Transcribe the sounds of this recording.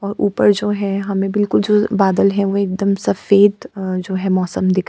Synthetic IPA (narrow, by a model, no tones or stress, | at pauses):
ɔːɾʔṵːpəɾd͡ʒoːɦɛ̃ɦɐmẽbɪlkʊld͡ʒoːbaːd̪əlɦɛ̃ʋoeːk̚d̪əmsɐfeːd̪d͡ʒoːɦɛmɔːsəmd̪ɪkʰ